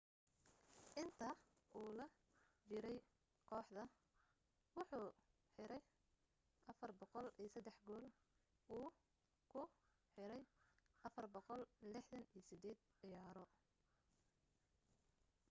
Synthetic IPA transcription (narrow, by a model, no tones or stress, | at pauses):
ʔɪnt̪ʰɐ | ʔuːlɐ | t͡ʃɪɾɛj | kʰɔːħd̪ɐ | wʊħuː | ħɪɾɛj | ʔɐfɐrbɔqɔliːsɐd̪ːɛħɡɔːl | uː | kʰʊ | ħɪɾɛjʔɐfɐrbɔqɔllɪħd̪ɐniːjsɪd̪ɛːd̪̚ʕɪjaːɾɔ